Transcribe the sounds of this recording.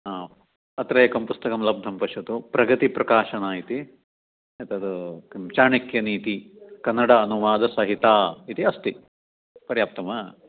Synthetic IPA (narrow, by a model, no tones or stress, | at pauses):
a | ɐt̪ɾɐjɐkɐmpust̪ɐkɐmlɐb̚d̪ʱɐmpɐʃɐt̪upɾɐɡɐt̪ipɾɐkaːʃɐnaːit̪i | et̪ɐd̪ukimt͡ʃaːɳikjɐniːt̪i | kɐnːɐɽɐːnuʋaːd̪ɐsɐɦit̪aːit̪iɐst̪i | pɐɾjaːp̚t̪ɐmɐ